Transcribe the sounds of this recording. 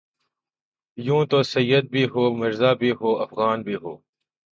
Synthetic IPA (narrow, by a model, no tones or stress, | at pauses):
jũːt̪oːsɐjːəd̪̚bʱiːɦoːmɪɾzaːbʱiːɦoːɐfɣaːnbʱiːɦoː